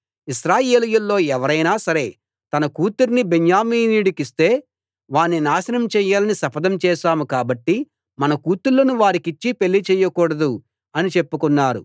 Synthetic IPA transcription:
iʃɾaːjeːlijulːo̞ːɛʋɐɾɐjnaːsɐɾe̞ː | t̪ɐnɐkuːt̪uɾnibeɲjaːmiːniɽukist̪e̞ː | ʋaːnːinaːʃɐnɐmt͡ʃɛːjaːlɐnisɐpɐd̪ɐmt͡ʃɛːʃaːmukaːbɐʈːi | mɐnɐkuːt̪ulːɐnuʋaːɾikit͡ʃːipe̞lːit͡ʃɛːjɐkuːɽɐd̪u | ɐnit͡ʃe̞pːukunːaːɾṵ

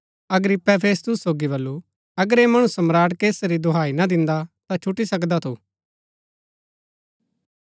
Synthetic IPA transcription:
ɐɡɾɪpːɛpʰeːst̪ʊsːoːɡiβɐlːu | ɐɡəɾemɐɽ̃ũsɐmɾaːɽkeːsɾid̪oɦaːinad̪ɪ̃nd̪at̪ãt͡ʃʰʊʈːisɐkd̪at̪ʰuː

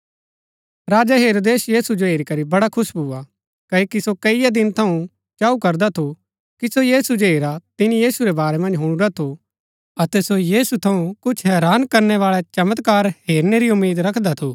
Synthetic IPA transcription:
ɾaːd͡ʒaɦeːɾoːd̪eːsjiːsud͡ʒoɦeːɾikɐɾibɐɽakʰʊsbʱuːa | kɐokisokɐijad̪ɪnt̪ʰɐũ | t͡ʃaːukɐɾd̪at̪ʰu | kisojiːsud͡ʒoɦeːɾat̪ɪnijiːsuɾɛbaːɾɛmɐ̃nd͡ʒɦʊɽ̃uɾat̪ʰo | ɐt̪ɛsojiːsut̪ʰɐũkʊt͡ʃʰɦɛːɾaːnkɐɾnɛʋaːɭɛt͡ʃɐmət̪kaːɾɦeːɾneɾiʊmːiːd̪ɾɐkʰd̪at̪ʰuː

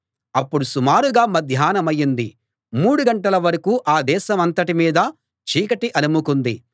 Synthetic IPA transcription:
ɐpːuɽusumaːɾuɡaːmɐd̪ʱjaːnɐmɐjːind̪i | muːɽuɡɐɳʈɐlɐʋɐɾɐkuːʔaːd̪ɛːʃɐmɐnt̪ɐʈimiːd̪ɐ | t͡ʃiːkɐʈiʔɐnumukund̪i

